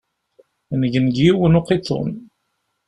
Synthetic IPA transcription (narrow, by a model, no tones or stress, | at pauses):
nəʝənɡjiwənuqːit͡sːo̰n